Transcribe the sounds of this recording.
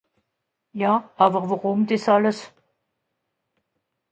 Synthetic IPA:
jaːʔaːbəʁvaʁʊmdɪsaləs

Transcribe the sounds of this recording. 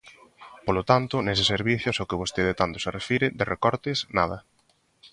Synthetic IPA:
polot̪ant̪ʊnes̬ɪseɾβiθjʊsokɪβ̞ost̪eðet̪ant̪o̥sarefiɾɪd̪ɪrekɔɾt̪ɪsnaðɐ

